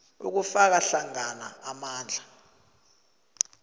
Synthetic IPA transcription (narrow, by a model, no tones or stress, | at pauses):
ṵk̬ufak̬aɬaŋana̰ːmaːnd͡ɮʱa